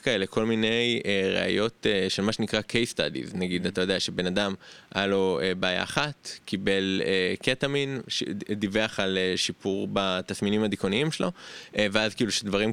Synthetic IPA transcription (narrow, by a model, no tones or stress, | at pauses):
kae̞lekʰo̞lmine̞jeʁḛa̰jo̞teʃelmaʃe̞nikʁakʰe̞jst̪a̰d̪ḭznaɡid̪at̪ajo̞d̪eaʃebe̞nadamʔajalo̞ebaːja̰ːχat̪kibe̞leketaminʃḛd̪iveaχaleʃipuʁbat̪asminimad̪ikoniimʃelo̞ʔeveazkiːluʃed̪vaʁim